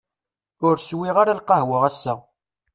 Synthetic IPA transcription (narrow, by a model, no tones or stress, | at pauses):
ʊɾswiʁaɾalqɑhwəʁæsːæ